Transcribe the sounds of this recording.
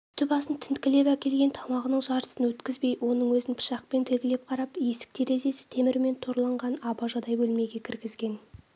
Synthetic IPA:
t̪ʰʏpɑsənt̪ʰɪnt̪kʲɪle̞pækʲe̞lɡʲe̞nt̪ʰɑmɑʁənəɴʒɑɾt̪ə̥sənwɵt̪kʲɪzbe̞jwo̞nəɴwɵzɪnpʰɪ̥ʃɑq̚pe̞nt̪ʰɪlɡʲɪlep̚qʰɑɾɑpje̞sɪ̥k̚t̪ʰe̞ɾe̞ze̞sɪ̥t̪ʰemɪɾme̞nt̪ʰo̞ɾlˠɑɴʁɑnɑbɑʒɑd̪ɑjbɵlme̞ɡʲe̞kʲʰɪɾɡʲɪzɡʲe̞n

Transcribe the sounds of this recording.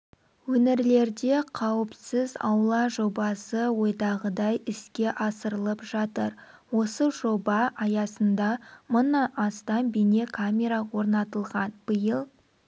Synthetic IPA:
wɵneɾle̞ɾd̪e̞qʰɑwəpsəzɑ̰wlˠɑʒo̞bɑsəwo̞jd̪ɑʁəd̪ɑjɪskʲe̞ʔɑsəɾəlˠəpʒɑt̪əɾ | wo̞səʒo̞bɑʔɑjɑsənd̪ɑmʊnɑnɑst̪ɑnbine̞kʰamʲe̞ɾawo̞ɾnɑt̪əlˠʁɑnb̥əjəlˠ

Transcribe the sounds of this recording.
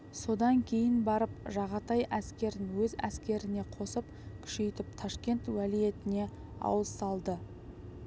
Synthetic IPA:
so̞d̪ɑŋkʲʰe̞jɪnbɑɾəpʒɑʁɑt̪ɑjʔæskʲe̞ɾɪnwɵzæ̰skʲe̞ɾɪne̞qʰo̞səp | kʲʰʏ̥ʃe̞jt̪ɪp̚t̪ʰɑʃkʲe̞nt̪wælije̞t̪ɪne̞ | ɑ̰wəzsɑlˠd̪ə

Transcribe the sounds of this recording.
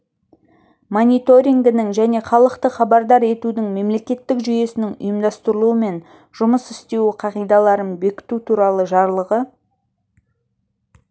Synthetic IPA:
monijt̪o̞ɾʲiŋd̪ɪnɪŋʒæne̞χɑlˠəqt̪əχɑbɑɾd̪ɑɾe̞t̪ud̪ɪŋme̞mle̞kʲe̞t̪ːɪkʒʏje̞sɪnɪŋʊ̰jəmd̪ɑst̪əɾəlˠuəme̞n | ʒ̥ʊməsɪst̪e̞wqʰɑʁijd̪ɑlˠɑɾənbe̞kʲɪ̥t̪ut̪ʰuɾɑlˠəʒɑɾlˠəʁə

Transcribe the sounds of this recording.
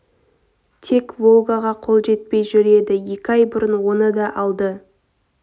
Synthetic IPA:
t̪ʰe̞kvo̞lˠɡaʁɑqʰo̞lˠʒe̞t̪̚pe̞jʒʏɾe̞d̪ɪje̞kʲɪɑjbʊɾənwo̞nəd̪ɑʔɑlˠd̪ə

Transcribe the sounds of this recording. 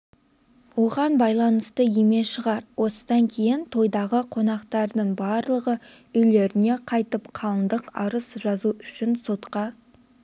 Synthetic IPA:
wo̞ʁɑnbɑjlˠɑnəst̪əjeme̞ʃəʁɑɾwʔo̞səd̪ɑŋkʲʰe̞jɪnt̪ʰo̞jd̪ɑʁəqʰo̞nɑqt̪ɑɾd̪əɴbɑɾlˠəʁə | ʏjle̞ɾɪne̞qʰɑjt̪əpqʰɑlˠənd̪əqɑ̰ɾəsʒ̥ɑzuʏʃɪnso̞t̪qɑ

